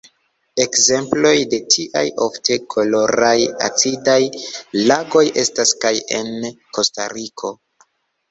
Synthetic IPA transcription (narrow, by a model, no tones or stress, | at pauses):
e̞kze̞mplo̞jde̞tʰiʔa̰jo̞fte̞kʰo̞lo̞ɾaja̰t͡sidajlaɡo̞jʔe̞staskaje̞̰nkʰo̞sta̰ɾikʰo̞